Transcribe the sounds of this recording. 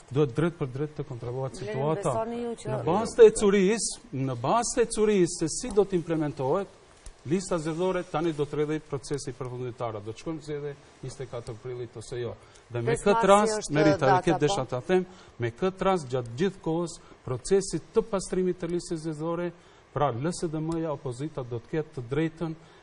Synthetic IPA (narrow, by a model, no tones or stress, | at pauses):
d̪uɛt̪̚d̪ɾɛt̪̚pəɾd̪ɾɛt̪ːəkɔnt̪ɾɔlˠɔhɛt̪sit̪uat̪anəbast̪ɛt͡suɾisnəbast̪ɛt͡suɾisːɛsid̪ɔt̪əimplɛmɛnt̪ɔɦɛt̪ | list̪azɛðɔɾɛt̪anid̪ɔt̪əɾɛðɔjpɾɔt͡sɛsipəɾfund̪imt̪aɾɛd̪ɔt̪ə̥ʃkɔjmzɛðjɛ | ɲist̪ɛkat̪əɾpɾilˠit̪ɔsɛjɔ | ðɛmɛkət̪ɾasmɛɾiaɔkɛd̪ɛʃat̪aθɛm | mɛkət̪ɾas̬d͡ʑat̪d͡ʑiθkɔɦəspɾɔt͡sɛsit̪ːəpast̪ɾimit̪ːəlist̪ɛzjɛðɔɾɛ | pɾaləsɛðɛməjaɔpɔzit̪ad̪ɔt̪ə̥kɛt̪ːəd̪ɾɛjt̪ən